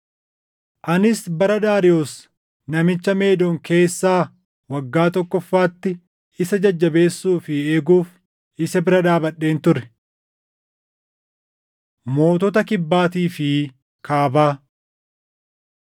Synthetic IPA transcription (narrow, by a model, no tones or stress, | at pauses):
ʔɐnɪsbɐɾɐd̪aːɾɪoːs | nɐmɪt͡ʃːɐme̞ːd̪oŋkʰe̞ːsːaː | wɐɡːaːt̪ɔkːɔfːaːt̪ːɪ | ɪsɐd͡ʒɐd͡ʒːɐbe̞ːsːuːfɪeːɡuːf | ɪsɐbɪɾɐd̪aːbɐᶑːe̞ːnt̪ʊɾɛ̥ | mo̞ːt̪ɔt̪ɐkɪbːaːt̪iːfɪ | kʰaːbaː